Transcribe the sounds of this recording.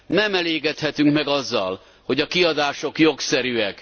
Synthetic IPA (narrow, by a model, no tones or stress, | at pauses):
nɛmɛleːɡɛt̪hɛt̪yŋkmɛɡɒzːɒ̰l | ho̞ɟɒkiɒd̪aːʃo̞kjo̞ksɛɾyɛk